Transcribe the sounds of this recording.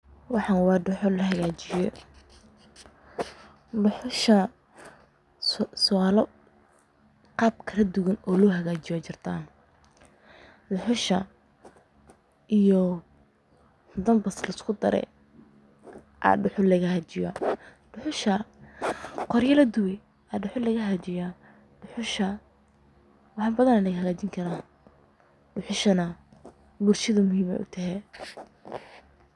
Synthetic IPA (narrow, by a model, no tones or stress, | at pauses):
wɑħɑnwɑːɖʊħʊlɐɦɐɣaːt͡ʃɪjɔ | lʊħʊʃɐ | sɔalɔ | qɑːb̚kʰɐlɐd̪ʊɣɐnɔːlɔːɦɐɣaːt͡ʃɪjɔt͡ʃɪrt̪ʰaːn | lʊħʊʃɐ | ʔijɔ | d̪ɐmbɐslɐɪskʰʊd̪ɐ̰ɾɛ̰ | ʔa̰ɖʊħʊlɐɣɐhɐt͡ʃɪjɐ̰ | ɖ̥ʊħʊʃɐ | qɔɾjɐlɐd̪ʊwɛ | aɖʊħʊlɐɣɐɦɐt͡ʃɪja | ɖ̥ʊħʊʃɐ | wɑħɑːbɐðɐnɐlɐɣhɐɣaːt͡ʃɪŋkʰɐɾaː | ɖʊħʊʃɐnɐ | bʊrʃɐðɐmʊhiːmɛ̰ʔʊ̰t̪ʰɐɦɛ